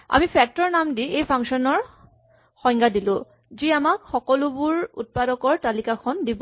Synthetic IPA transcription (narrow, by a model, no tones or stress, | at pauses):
a̰mipʰɛk̚tɔɹnamdiejpʰaŋkʃɔnɔɹ | xɔ̃jŋɡadilʊ̃ | ziamakxɔkɔlʊbʊɹṵt̚padɔkɔɹtalikakʰɔndibɔ